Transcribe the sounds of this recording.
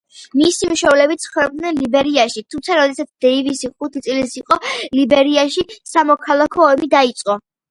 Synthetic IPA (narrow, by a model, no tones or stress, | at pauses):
misimuʃɛvlɛbit̪sʰχɛb̚d̪nɛnlibɛɾiaʃit̪ʰumt̪sʰaɾɔd̪ɛsat̪sʰd̪̥ɛivisiχut̪ʰit̪sʼlisiqʼɔlibɛɾiaʃisamɔkʰalˠakʰɔːmid̪ait̪sʼqʼɔ